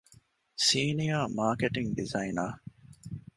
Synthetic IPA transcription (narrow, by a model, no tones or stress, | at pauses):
siːnijaːmaːkeʈiŋɖizɐinaː